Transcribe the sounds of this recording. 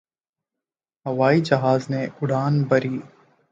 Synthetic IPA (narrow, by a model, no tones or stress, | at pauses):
ɦɐʋaːid͡ʒɐɦaːzneʊɽaːnbɐɾiː